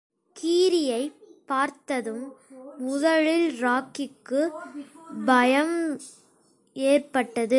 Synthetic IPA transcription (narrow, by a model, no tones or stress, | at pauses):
kiːɾɪjɐɪpːaːɾt̪ɐðɯmːʊðɐɻɪlɾaːkɪkːɯ | bɐjɐm | eːrpɐʈːɐðɯ